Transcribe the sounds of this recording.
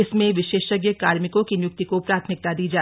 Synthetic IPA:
ɪsmẽʋɪʃeːʃɐɡjəkaːɾmɪkõkinjʊk̚t̪ikopɾaːt̪ʰmɪk̚t̪ad̪iːd͡ʒaː

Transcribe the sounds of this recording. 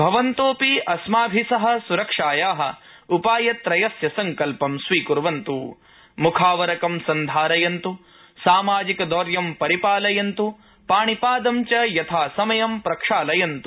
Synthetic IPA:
bʱɐʋɐnt̪oːpiʔɐsmaːbʱisɐɦɐ̆suɾɐkʂaːjaːɦɐ̰̆ | upaːjɐt̪ɾɐjɐsjɐsɐŋkɐlpɐmsʋiːkuɾʋɐnt̪uː | mukʰaːʋɐɾɐkɐmsɐnd̪ʱaːɾɐjɐnt̪u | saːmaːd͡ʒikɐd̪ɔːɾjɐmpɐɾipaːlɐjɐnt̪u | paːɳipaːd̪ɐmt͡ʃɐjɐt̪ʰaːsɐmɐjɐmpɾɐkʂaːlɐjɐnt̪u

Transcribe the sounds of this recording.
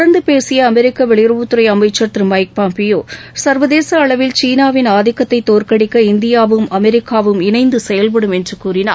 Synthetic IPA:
ɽɐnd̪ɯpeːsɪjɐːmɛɾɪkːɐʋɛɭɪɾɐʋɯt̪ːɯɾɐɪɐmɐɪt͡ʃːɐt̪ːɾɯmɐɪk̚paːmpɪjoːsɐɾʋɐðeːsɐːɭɐʋɪlt͡ʃiːnaːʋɪnaːðɪkːɐt̪ːɐɪt̪ːoːrkɐɽɪkːɐɪnd̪ɪjaːʋɯmɐmɛɾɪkːaːʋɯmɪnɐɪnd̪ɯsɛjɐlp̬ɐɽɯmɛndrɯkuːɾɪnaː

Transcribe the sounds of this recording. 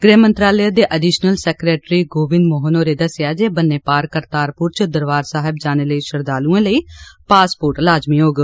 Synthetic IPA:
ɡɾeːmənt̪ɾaːlejaːd̪eːʔəɖiːʃnəlsɛːkɾeːʈɾiːɡoːʋɪnd̪moːɦənoːɾeːd̪əsɪjaːd͡ʒeːbənːeːpaːɾkəɾt̪aːɾpʊɾt͡ʃd̪əɾʋaːɾsaːɦɪbd͡ʒaːneːləiːʃəɾd̪aːlũːẽːləiːpaːspoːɾʈlaːd͡ʒmiɦoːɡ

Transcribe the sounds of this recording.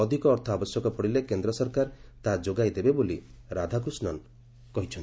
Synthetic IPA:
ɔd̪ʱikɔːɾt̪ʰɔabɔsjɔkɔpɔɽilekend̪ɾɔsɔɾkaɾt̪ad͡ʒoɡajd̪ebeboliɾad̪ʱak̬usnɔn | kɔɦit͡ʃʰɔn

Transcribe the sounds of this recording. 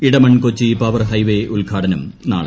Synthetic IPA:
iɽɐmɐɳkot͡ɕːipɐʋɐrɦɐjʋeʔulɡʱaːʈɐnɐmna̰ːɭ

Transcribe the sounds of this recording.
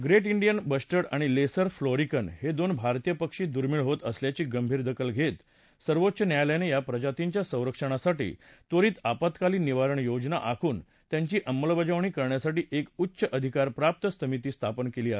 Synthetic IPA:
ɡɾeʈiɳɖijənbəsʈəɽaɽ̃ilesəɾfloɾikənhed̪onbʱaɾt̪ijəpəkʂiːd̪uɾmiɭɦot̪əsljat͡ɕiːɡəmbʱiːɾd̪əkəlɡʱet̪ | səɾʋotːɕənjajljanejapɾəd͡ʑat̪iɲt͡ɕjasə̃w̃ɾəkʂəɽ̃asaʈḭːt̪oɾiːt̪apət̪kaliːniʋaɾəɳjod͡ʑna̰ʔakʰuːn | t̪jãɲt͡ɕiːʔəmːəlbəd͡ʑaʋɳ̃iːkəɾɳjasaʈiːʔekutːɕəʔəd̪ʱikaɾpɾap̚t̪əsəmit̪iːst̪ʰapənkeliːa

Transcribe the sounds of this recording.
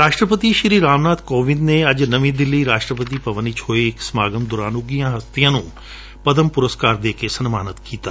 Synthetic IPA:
ɾaːʃʈɾəpət̪iːʃɾiːɾaːmnaːd̪koːʋɪ̃nd̪neɐd͡ʒnəʋĩːd̪ɪlːiːɾaːʃʈɾəpət̪iːpəʋəniːt͡ʃʰoːeɪksmaːɡəmd̪ʊɾaːnʊɡijãːɦəst̪ijãːnũː | pəd̪əmpʊɾəskaːɾd̪eːkesənmaːnət̪kiːt̪aː

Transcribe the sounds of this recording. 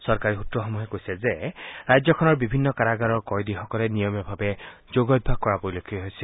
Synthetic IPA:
sɔɹkaɹixutɹɔxɔmuɦɛkojsɛzeɹajzɔkʰɔnɔɹbibʱinːɔkaɹaɡaɹɔɹkɔjd̪ixɔkɔlenijɔmjɔbʱabɛ | zoɡɔd̚bʱaɡ̚kːɔɹapoɹilokʰːiɔɦojsɛl

